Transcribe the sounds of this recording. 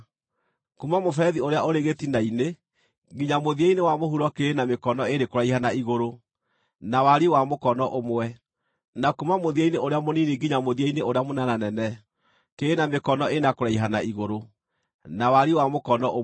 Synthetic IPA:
kumamofɛðioɾeaoɾeɣetinaine | ɡiɲamoðiainewamoɦuɾɔkeːnamekɔnɔeɾekoɾaihanaiɣoɾo | nawaɾiwamokɔnɔʔomoɛ | nakumamoðiaineoɾeamonineɡiɲamoðiaineoɾeamonananɛnɛ | keːnamekɔnɔenakoɾaiɦanaiɣoɾo | nawaɾiwamokɔnɔʔo

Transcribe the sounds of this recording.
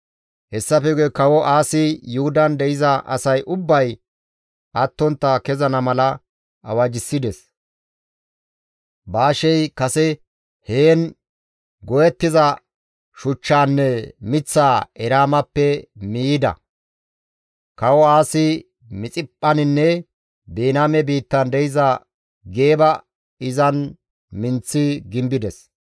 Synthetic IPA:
hɛsːɐfɛɡɛkɐwɔʔaːsɪjʊhʊd̪ɐnd̪ɛʔɪzɐʔɐ̰sɐjʔʊbːɐj | ʔɐt̪ːɔnt̪ːɐkɛzɐnɐmɐlɐ | ɐ̰wɐd͡ʒɪsːɪd̪ɛs | baːʃɛjkɐsɛ | heːn | ɡɔjɛt̪ːɪzɐ | ʃʊt͡ʃːaːnːɛmɪt͡sːaːɛɾaːmɐpːɛmiːɪd̪ɐ̰ | kɐwɔaːsɪ | mɪt͡sʼɪpʼːɐnɪnːɛ | beːnaːmɛbiːt̪ːɐnd̪ɛjɪzɐ | ɡe̞ːbɐ | ɪzɐn | mɪnt͡sːɪɡɪmbɪd̪ɛs

